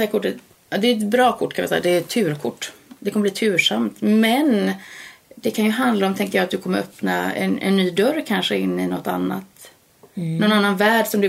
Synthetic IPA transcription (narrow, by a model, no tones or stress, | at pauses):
ɛakʰʊʈːət̪ | ɑd̪ɛɛt̪bɾɑːkʰʊʈːkʰanvɪ̰sɛ̰ːad̪ɛɾt̪ʰːʉ̟ːɾkʰʊʈːd̪ɛkʰɔməbliːt̪ʰʉ̟ːʂamt̪mɛn | d̪ɛkʰanjɵɦand̪laɔmt̪ʰɛŋkəjɑːat̪d̪ɵkʰɔmːəɾœpna̰ɛ̰nɛ̰nːyːd̪œɾːkʰanʂəɪnːɪnɔt̪ːa̰nːa̰t̪ | nɔnanːanvæːɖʂɔmd̪ɵ